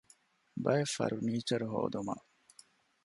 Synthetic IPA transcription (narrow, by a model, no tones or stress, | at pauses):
bɐjefɐ̰ɾuniːt͡ʃɐɾuɦo̰ːd̪umɐ̰